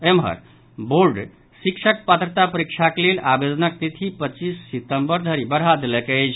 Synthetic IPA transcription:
emɦə̰ɾ | boɾɖ | sikʃʰək̚pət̪ɾət̪apəɾik̚t͡ʃʰakelelʔabed̪ənək̚t̪it̪ʰipət͡ʃisːit̪əmbəɾd̪ʱəɾibəɽɦad̪elɛkət͡ʃʰ

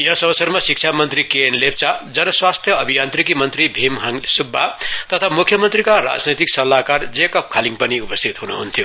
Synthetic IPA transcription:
jʌsʌwsʌrmasik̚t͡ʃʰamʌnt̪ɾikenlep̚t͡sad͡zʌɾʌswast̪ʰjʌʌbʱijant̪rikimʌnt̪ribʱimɦŋsubʱːat̪ʌt̪ʰamukʰjʌmʌnt̪rikaɾa̰d͡znʌjt̪iksʌlːakard͡zekʌp̚kʰaliŋpʌniupʌst̪ʰit̪ɦunuɦunt̪ʰjo

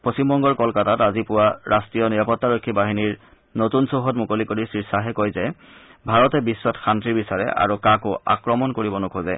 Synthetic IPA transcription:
pɹosimbɔŋɡɔɹkɔlkatatazipʊwaɹastɹijɔniɹapɔtːaɹokʰːibaɦiniɹ | notunsoɦɔtmukolikoɹisɹiɹsaɦɛkojzɛ | bʱaɹɔtɛbisːɔtxʰantɹibisaɹɛ̰ʔa̰ɹukakʊa̰kɹɔmɔnkoɹibɔnokʰozɛ̰

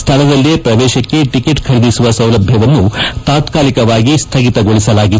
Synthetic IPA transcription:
st̪ʰɐlɐd̪ɐlːiepɾɐʋ̪ɛːʃɐkːe̞ʈikeʈkʰɐɾid̪isuʋɐsɐwlɐbʱjɐʋɐnːut̪aːt̪kaːlikɐʋaːɡist̪ʰɐɡit̪ɐɡoɭisɐlaːɡi

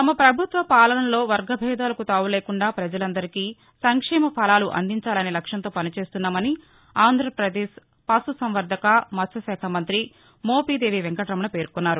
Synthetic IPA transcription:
t̪ɐmɐpɾɐbʱut̪ʋɐpaːlɐnɐmlo̞ːʋɐɾɡɐbʱɛːd̪aːlɐkut̪aːʋule̞ːkuɳɖaːpɾɐd͡ʒɐlɐnd̪ɐɾikiː | sɐŋkʂɛːmɐpʰɐlaːluʔɐ̰nd̪iɲt͡ʃaːlɐneːlɐkʂɐnt̪oːpɐnit͡ʃe̞ːst̪unːaːmɐni | aːnd̪ʱɾɐpɾɐd̪eːʃ | pɐsusɐmʋɐɾd̪ʱɐkɐmɐt̪sʰɐsɛːkʰamɐnt̪ɾi | moːpiːd̪eːʋiʋɛŋkɐʈɾɐmɐɳɐpe̞ːɾkunːaːɾu

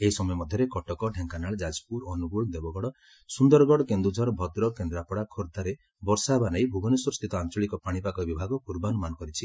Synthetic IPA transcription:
eɦisɔmɔjɔmɔd̪ʱjɔɾekɔʈɔkɔɖʱeŋkanaɭd͡ʒad͡ʒpuɾɔnuɡuɭd̪ebɔɡɔɽɔ | sund̪ɔɾɔɡɔɽɔkend̪ud͡ʒʱɔɾɔbʱɔd̪ɾɔkend̪ɾapɔɽakʰoɾd̪ʱaɾe | bɔɾsaɦebanajbʱuɡɔnusɔɾst̪ʰit̪ɔant͡ʃɔɭikɔpaɽ̃ipakɔbibʱaɡɔkuɾbanɔmanɔkɔɾit͡ʃʰi

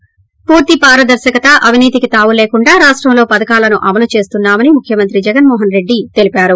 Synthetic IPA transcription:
puːɾt̪ipaːɾɐd̪ɐɾʃɐkɐt̪ɐʔɐʋʱiniːt̪ikit̪aːʋule̞ːkuɳɖaːɾaːʂʈɾɐmlo̞ːpɐd̪ɐkaːlɐnuʔɐmɐlut͡ʃe̞ːst̪unːaːmɐnimukʰjɐmɐnt̪ɾid͡ʒɛɡɐnmɔːɦɐnɾe̞ɖːit̪e̞lipaːɾu

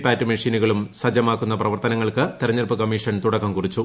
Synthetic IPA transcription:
pːaːtːɨmɐʂiːnuɣɐɭumsɐd͡ʑɐmaːkːun̪ːɐprɐʋɐrt̪ɐnɐŋːɐɭkɨt̪erɐɲːɐrpːɨkɐmiːʂɐnt̪uɽɐkːɐmkurit͡ɕːu

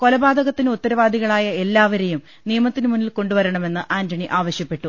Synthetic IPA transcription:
ko̞lɐbaːd̪ʱɐɣɐt̪ːinɨut̪ːɐɾɐʋaːd̪ʱiɣɐɭaːjɐe̞lːaːʋɐɾe̞jum | nijɐmɐt̪ːinɨmunːilko̞ɳɖuʋɐɾɐɳɐme̞nːɨʔaːndɐɳiʔaːʋɐɕjɐpːe̞ʈːu

